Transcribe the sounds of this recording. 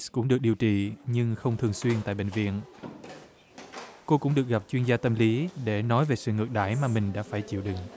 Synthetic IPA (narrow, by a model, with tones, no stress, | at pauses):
kʊ̰˧˥ŋ͡mɗɨ˨˩ək̚ɗi˨˩əwt͡ɕḭ˧˨ɲɨ˧ŋxə˧wŋ͡mt̪ʰɨ˨˩əŋswi˧ənt̪a̰ː˧˨ɓḛ˧˨ŋ̟vḭ˧˨ən | ko˧kʊ̰˧˥ŋ͡mɗɨ˨˩ək̚ɣa˨˩p̚t͡ɕwi˧ənzaː˧t̪ə˧mli˨˦ɗe˧˩nɔ˨˦jve˨˩sɨ̰˧˨ŋɨ˨˩k̚ɗa̰ː˧˩jmaː˨˩mï˨˩ŋ̟ɗa̰ː˧˥faː˧˩jt͡ɕḭ˧˨əwɗɨ˨˩ŋ